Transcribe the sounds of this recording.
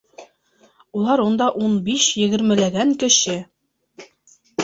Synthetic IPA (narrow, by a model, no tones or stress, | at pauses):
ulˠɑɾund̪ɑʔunbiʃjɘ̆ɡɘ̆ɾmɘ̆læɡæŋkɘ̆ʃɘ